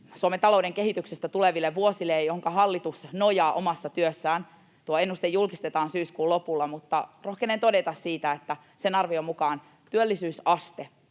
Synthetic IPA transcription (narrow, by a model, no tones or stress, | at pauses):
suoment̪ɑlo̞udeŋke̞ɦit̪yksest̪æt̪uleʋilːeʋʋuosilːejjoɦoŋkɑɦɑlːit̪usnojɑːʔo̞mɑsːɑt̪yøsːæːn | t̪uoe̞nːust̪ejːulkist̪et̪ɑːnsyːskuːlo̞pulːɑmut̪ːɑro̞hkenent̪o̞de̞t̪ɑssiːt̪æet̪ːæ | senɑrʋiomukɑːn | t̪yølːisyːsɑst̪e